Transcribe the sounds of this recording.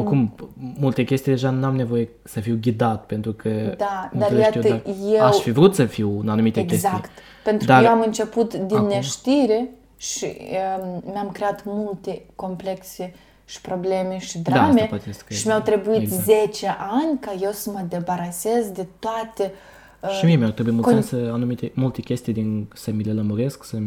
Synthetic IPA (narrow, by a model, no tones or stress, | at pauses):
okumːult̪ekʲe̞st̪ijd̪e̞ʒanamne̞vo̞je | səfiwɡʲid̪at̪pe̞nt̪ɾukʰəd̪ad̪aat̪iajeawʃfivɾut̪səfiwɨnanumit̪eɡʲezajkt̪ | pent̪ɾud̪kajeamɨnt͡ʃeput̪d̪inːeʃt̪iɾe | ʃḭəmamkɾeat̪mult̪ekompleksi | ʃi̥pɾoblemeʃi̥d̪ɾaameepat̪eskʃimawt̪ɾebuizet͡ʃeʔanʲkajewsəməd̪ebaɾasezd̪et̪uat̪e | ʃimiemeawt̪ɾebuiemulssensəanumit̪emult̪ekʲest̪ijd̪insəmileləmuɾesksə